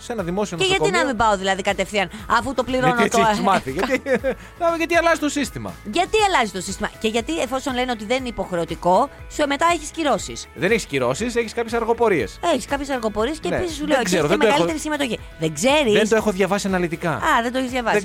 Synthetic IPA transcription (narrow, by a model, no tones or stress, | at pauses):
senɐðimo̞sioneʝɐt̪inɐɐmibɐo̞ðilɐðikɐt̪efθiɐnɐfut̪o̞pliɾonot̪mɐθiʝɐt̪i | nɐmeʝɐt̪iɐlɐzist̪osist̪imɐ̰ʝɐt̪iɐlɐzist̪o̞sist̪imɐ̰ce̞ʝɐt̪iefo̞so̞nle̞neo̞t̪iðeninipo̞xɾe̞ot̪iko̞sueme̞t̪ɐeçi̥sciɾo̞sḭsðeneçisciɾo̞siseçiskɐpçesɐɾɣo̞po̞ɾie̞̰seçiskɐpçe̞sɐɾɣo̞po̞ɾiesceːpisisːuleoeseoðemeɐlit̪eɾisime̞t̪oçi | ðeɡze̞ɾiðesd̪oexoðʝɐvɐsiɐnɐlit̪ikɐɐðend̪oeçzʝɐvɐs